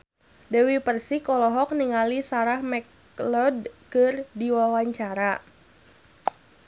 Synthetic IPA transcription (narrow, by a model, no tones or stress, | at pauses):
dɛwipərsikɔlɔɦɔk̚niŋalisaɾahmɛk | lɔd̚kɨrdiwawaɲt͡ʃaɾa